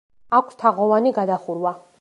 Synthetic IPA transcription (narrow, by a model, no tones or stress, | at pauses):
akʷʰst̪ʰaʁɔvaniɡad̪aχuɾwa